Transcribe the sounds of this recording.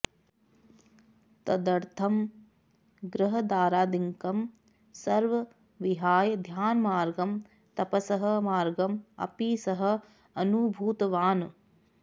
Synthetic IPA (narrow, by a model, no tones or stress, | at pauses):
t̪ɐd̪ɐɾt̪ʰɐm | ɡɾɐɦɐd̪aːɾaːd̪iŋkɐm | sɐɾʋɐ | ʋiɦaːjɐd̪ʱjaːnmaːɾɡɐm | t̪ɐpɐsɐɦɐmaːɾɡɐmɐ̰piːsɐɦɐ | ɐnubʱuːt̪ɐʋaːn